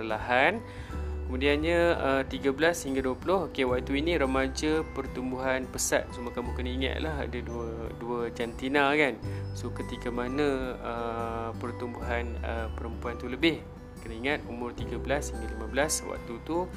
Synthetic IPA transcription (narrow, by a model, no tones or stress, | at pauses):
laɦan | kəmũdianɲəət̪iɡabəlashiŋɡaduəpulʊhokewaʔ̚t̪uinĩɾəmad͡ʒəpərt̪umbuɦanpəsa̰t̪̚sumakamukənaiŋa̰t̪̚laɦa̰daduəduəd͡ʒant̪inakansokət̪ikamanãəpərt̪umbuɦanəpəɾəmpuant̪uləbɪh | kənəiŋat̪̚umʊrt̪iɡabəlashiŋɡalimãbəlaswa̰ʔ̚t̪ut̪u